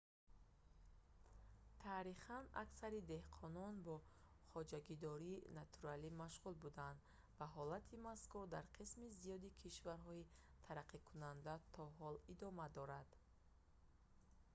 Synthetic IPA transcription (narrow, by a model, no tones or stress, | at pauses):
t̪ʰaɾiχana̰ksaɾid̪e̞hqʰɔnɔnbɔ | χɔd͡ʒaɡid̪ɔɾiːnat̪ʰuɾalimaʃʁulbud̪aand̪ | vaɦɔlat̪ʰimaskuɾd̪aɾqʰismizijɔd̪ikʰiʃvaɾɦɔi | t̪ʰaɾaqʰːikʰunand̪at̪ʰɔɦɔlid̪ɔmad̪ɔɾad̪̥